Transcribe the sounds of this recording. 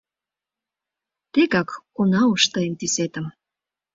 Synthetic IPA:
t̪eɣɑkːunɑuʃt̪ɤent̪iset̪ə̆m

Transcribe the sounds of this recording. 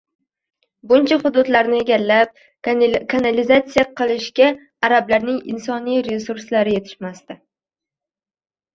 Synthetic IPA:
bʊnt͡ʃʰaχʊd̪ʊd̪laɾnɪe̞ɡʲalːap̚ | kʰanalɪzat̪sijaqʰɨlˠɪʃkʲa | aɾablaɾnɪŋɪ̰nsɒnijɾe̞suɾslaɾɪje̞t̪ʰɪ̥ʃmast̪ɪ

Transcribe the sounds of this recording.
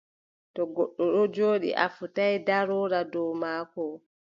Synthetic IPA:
tɔɡɔɗːɔɗɔd͡ʒoːɗḭʔa̰futajdaɾɔɾadɔwmaːkɔ

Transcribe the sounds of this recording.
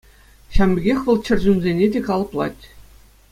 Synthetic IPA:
ɕɑmʲbʲɘ̆ɡʲexʲʋɤ̆lˠt͡ɕɘ̆rʲʑynʲzʲenʲedʲekɑlˠɤ̆plˠɑ̰tʲ

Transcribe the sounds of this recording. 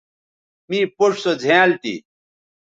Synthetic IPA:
mĩːpoʂsod͡ʑʱeːlt̪ḭ

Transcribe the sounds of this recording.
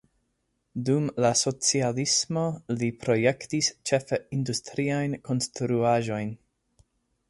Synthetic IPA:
dumlaso̞t͡sialismo̞lipɾo̞je̞ktist͡ʃe̞feindustɾiajnko̞nstɾuaʒo̞jn

